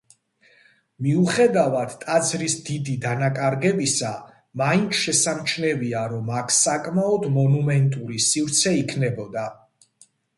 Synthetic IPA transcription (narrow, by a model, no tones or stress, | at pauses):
miuχɛd̪avad̪̥t̪ʼad̪zɾisd̪id̪id̪anakʼaɾɡɛbisa | maint̪ʰʃɛsamt͡ʃʰnɛviaɾɔmakʰsakʼmaɔd̪mɔnumɛnt̪ʼuɾisivɾt̪sʰɛikʰnɛbɔd̪a